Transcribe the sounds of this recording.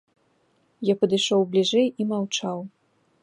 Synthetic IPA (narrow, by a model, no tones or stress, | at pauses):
japɐd̪ɨʂɔwblʲiʐɛjimawt͡ʂaw